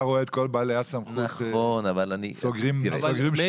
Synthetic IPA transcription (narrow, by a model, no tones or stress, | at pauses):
ʁoeːt̪̚kolbalejasamχut̪onavalanisoɡʁimsoɡʁimʃ